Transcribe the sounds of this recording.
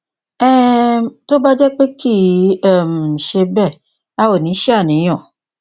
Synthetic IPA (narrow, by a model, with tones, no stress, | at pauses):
ɛ˦˨to˦ba˦d͡ʒɛ˦k͡pe˦ki˦ɛ˦˨m̩˨ʃe˧bɛ˦˨ | a˦wo˨nĩ˨˦ʃi˦a˦˨nĩ˨˦j̃ɔ̃˦˨